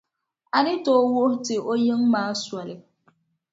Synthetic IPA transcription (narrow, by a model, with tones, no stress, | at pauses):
a˨nɪ˦toː˦wʊ˦htɪ˨o˦jɨ˦ŋmaː˦swa˨lɪ˨